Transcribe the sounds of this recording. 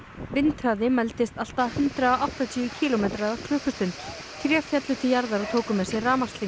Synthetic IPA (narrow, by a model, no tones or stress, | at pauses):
vɪnt̪hœːðɪmɛlt̪ɪst̪al̥t̪ahʏnt̪ɾaaʔawht̪at̪ʰjʏːʏcʰiːlɔmeːt̪ɾaðakʰɾœːhkʏst̪ʏn | θʰɾɛːfjat̪lʏt̪ʰɪljaɾðaɾawt̪ʰoːwkʏmɛsjɛraːmast̪lɪ